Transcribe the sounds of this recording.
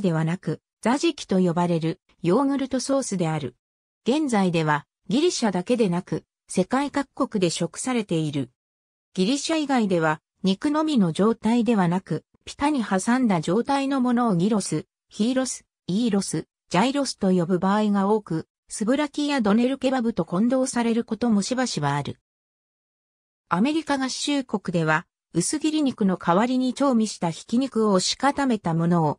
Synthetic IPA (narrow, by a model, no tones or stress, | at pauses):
d̪e̞βanakɯ̟ | z̥aʑikʲi̥t̪o̞jo̞baɾe̞ɾɯ̟ | jo̞ːŋɯ̟ɾɯ̟t̪o̞so̞ːsɨd̪e̞aɾɯ̟ | ɡ̥ẽ̞nzaid̪e̞β̞a | ɡʲiɾʲiɕad̪ake̞d̪e̞nakɯ̟ | se̞kaikakɯ̥kːo̞kɯ̟d̪e̞ɕo̞kɯ̥saɾe̞t̪e̞iɾɯ̟ | ɡ̥ʲiɾʲiɕaiɡaid̪e̞β̞a | ɲ̟ikɯ̟no̞mʲino̞ʑo̞ːt̪aid̪e̞βanakɯ̟ | pʲi̥t̪aɲ̟ihasãnd̪ad͡ʑo̞ːt̪aino̞mo̞no̞ːɡʲiɾo̞sɨ | çiːɾo̞sɨ̥ | iːɾo̞sɨ | d͡ʑaiɾo̞sɨ̥t̪o̞jo̞bɯ̟baːiɡao̞ːkɯ̟ | sɨbɯ̟ɾakʲijad̪o̞ne̞ɾɯ̟ke̞babɯ̟t̪o̞kõ̞nd̪o̞ːsaɾe̞ɾɯ̟ko̞t̪o̞mo̞ɕibaɕiβaːɾɯ̟̰ | ame̞ɾʲikaɡaɕɨːko̞kɯ̟d̪e̞β̞a | ɯ̟sɨɡʲiɾʲiɲ̟ikɯ̟no̞kʰaβaɾʲiɲ̟it͡ɕo̞ːmʲiɕi̥t̪açi̥kʲiɲ̟ikɯ̟o̞ɕi̥kat̪ame̞t̪amo̞no̞ː